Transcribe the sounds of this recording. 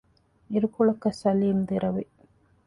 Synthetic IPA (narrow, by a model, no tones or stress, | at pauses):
iɾukuɭɐkːɐsɐliːmd̪iɾʔɐʋi